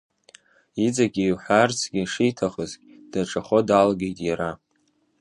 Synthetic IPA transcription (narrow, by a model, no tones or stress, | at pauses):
id͡zaɡʲiwħʷart͡sʰɡʲiʂijtʰaχəzkʲʼ | d̥aʈ͡ʂʰʼaχʷodalɡejtʼjaɾa